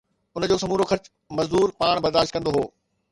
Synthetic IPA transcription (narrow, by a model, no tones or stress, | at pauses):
ʊnd͡ʑoːsɐmuːɾoxɐɾt͡ɕ | mɐzd̪uːɾpaːɽ̃bɐɾd̪aːʃt̪kɐ̃nd̪oɦoː